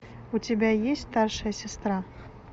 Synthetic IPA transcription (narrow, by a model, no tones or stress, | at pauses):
ut͡sʲabʲajesʲtʲst̪arʂɐjɐsʲast̪ɾa